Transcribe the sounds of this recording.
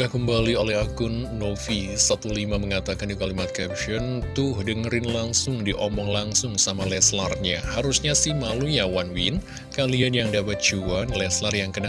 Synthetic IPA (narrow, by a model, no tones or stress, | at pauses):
ɡakəmbaliolɛɦaɡʊnːofisat̪ulimaməŋat̪akandikalimat̪̚kɛpʃɔnt̪ʊhdəŋəɾɪnlaŋsʊŋdiʔɔmɔŋlaŋsʊŋsamalɛslarɲahaɾusɲasɪhmalujawanwɪn | kalianjaŋdapat̪̚d͡ʒuanlɛslarjaŋkəna